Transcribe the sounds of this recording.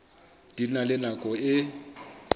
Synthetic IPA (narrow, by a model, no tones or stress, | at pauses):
d̥inalɪnakʼɔɪ